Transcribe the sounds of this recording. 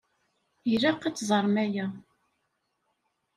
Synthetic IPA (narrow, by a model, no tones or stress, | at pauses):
jɾɑqːit͡sːzˤəɾˤmæjæ